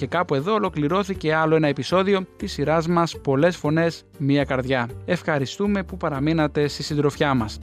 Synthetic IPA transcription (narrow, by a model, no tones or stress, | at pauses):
ce̞kɐpue̞ðo̞ːlo̞kliɾo̞θice̞ɐlo̞enɐe̞piso̞ðio̞t̪isːiɾɐzmɐspo̞le̞sfo̞ne̞s | miɐkɐɾðʝɐe̞fxɐɾist̪ume̞pupɐɾɐminɐt̪e̞st̪isind̪ɾo̞fçɐmɐs